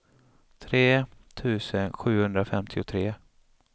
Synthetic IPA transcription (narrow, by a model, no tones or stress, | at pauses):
t̪ʰɾeːt̪ʰʉ̟ːsənɧʉ̟ːhɵnd̪ɾafɛmt̪ʰɪʊt̪ʰɾeː